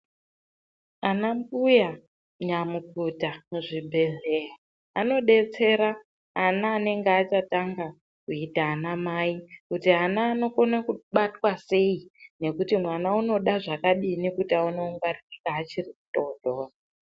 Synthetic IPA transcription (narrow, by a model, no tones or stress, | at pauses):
anambuja | ɲamukutamʐibʱe̞ɮeɦaː | no̞ɗe̞t͡se̞ɾaː | naːne̞ŋɡeat͡ʃataŋɡa | kuitaːnamaikutianaːno̞konakuɓatwase̞ine̞kutimwanauno̞ɗaʐakaɗinikutiaunoŋɡaririkaːt͡ʃiriku̥to̞dʱoːra